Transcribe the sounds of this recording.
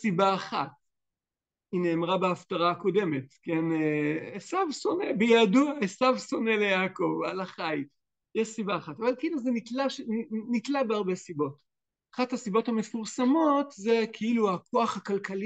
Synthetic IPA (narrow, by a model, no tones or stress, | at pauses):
sibaːχat | ineːmʁabeaftaʁaːko̞de̞me̞tkeneesavso̞nebejaːduaesavso̞ne̞lejaːko̞valaχaj | jɛʃsibaːχatavalkiiluzenitlaʃennitlabeaʁbe̞sibo̞t | aχathasibo̞thame̞fuʁsamo̞tzekʰeiluakʰo̞aχakalkali